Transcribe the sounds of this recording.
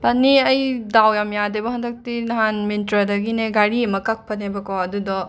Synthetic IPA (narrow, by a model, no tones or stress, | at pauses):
pɐnːiɐjdawjamjadebɐɦɐndɐk̚tinɐɦanmintɾɐdɐɡineɡaɾiɐmɐkak̚pʰɐtnebɐkɔɐdudɔ